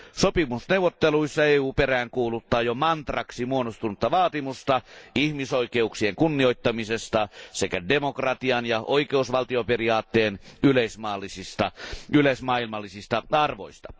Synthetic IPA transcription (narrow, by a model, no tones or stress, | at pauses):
sopimusneuwʋːˑot̪ːeluisːɑeːuːperæːŋkuːlut̪ːˑɑːjomɑnt̪rɑksimuonost̪unut̪ːɑʋɑːt̪imust̪ɑihmisoikeuksieŋkunːioit̪ːɑmisest̪ɑsekædemokrɑt̪iɑnjɑʔoikeusʋɑlt̪ioperiɑːt̪ːeːnyleismɑːlːisist̪ɑylesmɑːilmɑlːisist̪ɑɑrʋo̰ist̪ɑ̥